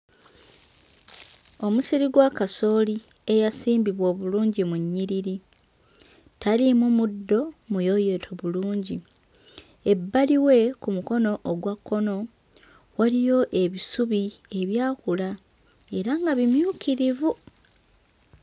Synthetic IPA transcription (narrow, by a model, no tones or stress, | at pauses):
o̞musiɾiɡwakaso̞ːlie̞jasiːmbiβwo̞ːβuluːɲɟimuɲːiɾiɾi | talimumudːo̞mujo̞je̞tʰoβuluːɲɟi | e̞bːaliwe̞kumuko̞no̞ʔːɡwakːo̞no̞ | walijo̞ʔe̞βisuβie̞βjaːkula | e̞ɾaŋɡaβimjuːkiɾivu